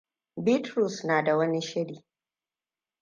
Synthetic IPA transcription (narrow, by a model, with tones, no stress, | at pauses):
bi˦tɾu˨snaː˨da˨wɐ˦ni˦ʃɪ˦ɽiː˨